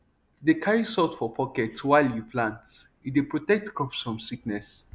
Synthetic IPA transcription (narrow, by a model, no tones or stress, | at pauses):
dekʰaɹisɔtfɔpʰɔkɛtwaɪljupʰlãnt | idepɹotɛk̚tkʰɹɔpsɹɔ̃msiknɛs